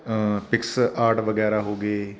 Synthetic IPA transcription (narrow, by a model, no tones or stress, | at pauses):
pɪksaːɾʈʋəɡɛːɾaːɦoːɡeː